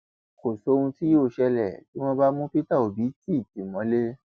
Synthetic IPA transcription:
ko˨so˨˦˧ũ˧ti˦jo˦˨ʃɛ˧lɛ˨ti˨˦w̃ɔ̃˦ba˦mũ˦pi˦ta˦˨o˨bi˨˦ti˦˨ti˨mɔ̃˨˦le˦

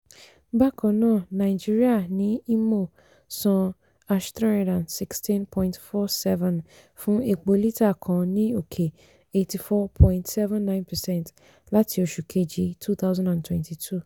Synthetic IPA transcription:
ba˦kʰɔ˨nɔ̃˦˨nã˨d͡ʒi˦ɾi˦a˨nɪ̃˦i˦mõ˨ | sɔ̃˨ | a˨ʃtɾa˦a˨dã˨nsi˦˨kstĩ˦npʰɔ̃˦ɪ̃ntfɔ˦sɛ˦vɛ̃˨n | fʊ̃˦e˨k͡po˨li˦tʰa˨kʰɔ̃˨nɪ̃˦o˨kʰe˨ | e˨˦tʰi˨fɔ˦pʰɔ̃˦ɪ̃ntsɛ˦vɛ̃˦nːã˦ɪ̃˦npʰɛ˨sɛ̃˦nt | la˦tʰɪ˨o˨ʃu˨kʰe˦d͡ʒi˦tʰu˦θʰa˦wzã˦ndã˨ntʰwɛ̃˨ntʰi˨tʰu˦

